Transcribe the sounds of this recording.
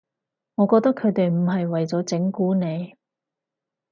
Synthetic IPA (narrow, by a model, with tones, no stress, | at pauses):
ŋɔː˨˧˥kɔː˧k̚t̪ɐ˥kʰːɵ˨˧ɥt̪e˨jm̩˨˩ɦɐ˨jwɐ˨jt͡sɔː˨˥t͡sɪ˨˥ŋkuː˨˥ne˨˧j